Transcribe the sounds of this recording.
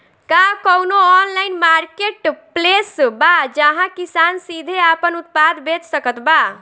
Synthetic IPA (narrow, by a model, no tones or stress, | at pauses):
kakəwnoɔnlaɪnmaɾkeʈplesbad͡ʒəɦãkisansid̪ʱeapənut̪̚pad̪ʱbet̪səkət̪ba